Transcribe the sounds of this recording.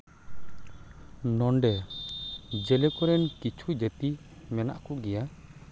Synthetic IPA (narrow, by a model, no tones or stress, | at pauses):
nɔɳɖɛ | d͡ʒɛlɛkɔɾɛnkit͡ʃʰud͡ʒɛt̪i | mɛna̰ʔkɔɡɛja